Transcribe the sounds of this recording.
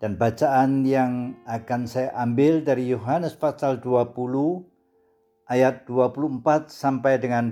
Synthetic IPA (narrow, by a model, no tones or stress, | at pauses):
d̥anbat͡ʃaanjaŋakansajaʔambɪldaɾijoɦanəsfasalduapulu | ʔajat̪̚d̥uapuluəmpat̪̚sampajdəŋan